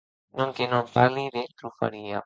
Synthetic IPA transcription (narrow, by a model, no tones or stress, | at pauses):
nõŋkenompaɾliðent̪ɾufa̰ɾia